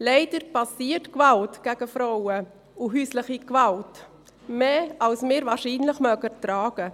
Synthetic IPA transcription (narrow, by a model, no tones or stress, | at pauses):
lɛɪd̥əɾpɑsiːətkvaltɡ̥ɛɡ̥əfɾɔwə | ʊɦyːslɪχikvɑlt | meːɑlsmɪːɾvɑːɾʃiːnlɪχmœɡətɾaːɡ̥ə